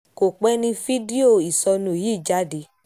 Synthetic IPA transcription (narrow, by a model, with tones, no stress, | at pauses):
ko˨k͡pɛ˦nĩ˧fi˦di˦o˦˨i˨sɔ˧nũ˧˨ji˦˨d͡ʒa˨˦di˧˦